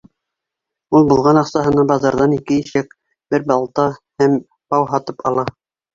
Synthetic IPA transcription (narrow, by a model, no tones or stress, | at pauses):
ulˠbulˠʁɑnɑqsɑɦɤ̆nɑbɑzɑɾðɑnikɘiʃæk | bɘɾbɑlˠt̪ɑhæm | pɑwɦɑt̪ɤpɑlˠɑ